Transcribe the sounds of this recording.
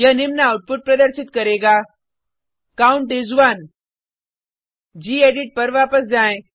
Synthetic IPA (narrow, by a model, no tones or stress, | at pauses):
jənimnaut̪̚pʊʈ̚pɾɐd̪əɾsɪt̪kəɾeɡa | kauɳʈizʋaːn | d͡ʑiːeɖiʈ̚pɐɾʋaːpəsd͡ʒaːẽ